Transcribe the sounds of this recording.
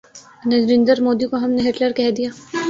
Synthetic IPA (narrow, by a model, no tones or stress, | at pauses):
nɐzɾɪ̃nd̪əɾmoːd̪ikoɦɐmneɦɪʈləɾkɛɦd̪ijaː